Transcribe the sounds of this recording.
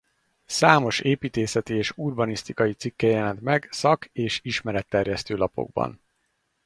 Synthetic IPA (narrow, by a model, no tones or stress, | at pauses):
saːmo̞ʃeːpiːt̪eːsɛt̪ieːʃurbɒnist̪ikɒjit̪sikːɛjɛlɛnt̪mɛɡsɒkeːʃiʃmɛɾɛt̪ːɛrjɛst̪øːlɒpo̞̰ɡ̚bɒ̰n